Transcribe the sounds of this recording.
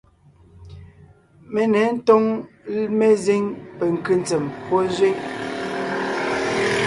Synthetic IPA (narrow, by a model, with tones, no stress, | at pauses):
me˦nɛ˨˦n̩˦tɔ˦ŋme˦ze˦ŋpɛ˨ŋ̩˨ki˦n˨˦t͡sɛ˨mpɔ˦zwe˦ŋ